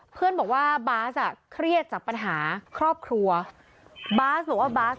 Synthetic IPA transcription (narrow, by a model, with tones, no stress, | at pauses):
pʰɯ˥˩ənbɔː˨˩k̚waː˥˩baː˦˥sʔa˨˩kʰɾi˥˩ət̪̚t͡ɕaː˨˩k̚pa˧nɦaː˩˦kʰɾɔː˥˩p̚kʰɾu˧ɐ | baː˦˥sbɔː˨˩k̚waː˥˩baː˦˥s